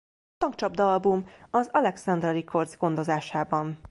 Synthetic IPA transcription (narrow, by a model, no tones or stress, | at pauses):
t̪ɒŋk̚t͡ʃɒbd̪ɒlbumɒzɒlɛksɒnd̪rɛɾikʰo̞rd̪zɡo̞nd̪o̞zaːʃaːbɒn